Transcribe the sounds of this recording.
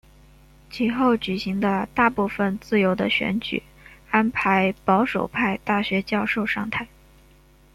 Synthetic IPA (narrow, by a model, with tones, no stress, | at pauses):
t͡ɕʰi˧˥xo˥˩ʊt͡ɕy˨˩ɕi˧˥ŋd̪ə˧t̪a˥˧pu˥˩fə˩nt͡sɹ̩˥˩jo˧˥ʊd̪ə˧ɕɥɛ̰˧˥nt͡ɕy̰˨˩ | a˥npʰa˧˥ɪpɑ˧˥ʊʂo̰˨˩ʊpʰa˥˧ɪt̪a˥˩ɕɥɛ˧˥t͡ɕjɑ˥˧ʊʂo˥˧ʊʂɑ˥˧ŋt̪ʰa˥˩ɪ